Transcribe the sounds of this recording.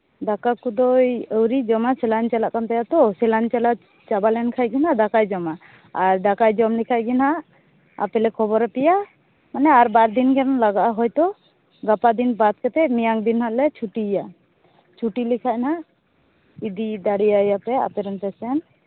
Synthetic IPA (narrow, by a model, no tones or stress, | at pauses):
d̪akakud̪ɔjəwɾid͡ʒɔmasɛlant͡ʃɛlaʔkant̪ajat̪ɔsɛlant͡ʃɛlaʔ | t͡ʃabalɛnkʰajɡinɦad̪akajd͡ʒɔma | aɾd̪akajd͡ʒɔmlikʰajɡinɦaʔ | a̰pɛlɛkʰɔbɔɾɛpɛja | manɛaɾbaɾd̪inkɛlaɡaʔaɦɔjt̪ɔ | ɡapad̪inbat̪̚kɛt̪ɛmijaŋd̪inhaʔlɛt͡ʃʰuʈija | t͡ʃʰuʈilikʰaʔnaʔ | id̪id̪aɽijajapɛa̰pɛɾɛnp̪ɛsɛn